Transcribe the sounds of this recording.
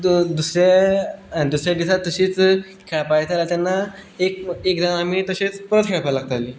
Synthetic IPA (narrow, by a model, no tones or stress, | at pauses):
d̪usɾja | d̪usɾjaɖisat̪ːəɕiːt͡s | kʰapajt̪aɾat̪ɛnːaek̚ekd̪amamiːt̪əɕet͡spəɾət̪kʰeɭpalaɡ̚t̪aliː